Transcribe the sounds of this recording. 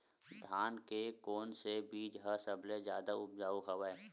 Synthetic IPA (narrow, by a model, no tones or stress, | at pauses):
d̪ʱaːnkekoːnsebiːd͡ʒɦəsəblezjaːd̪aʊp̚d͡ʒaːuɦəʋɛ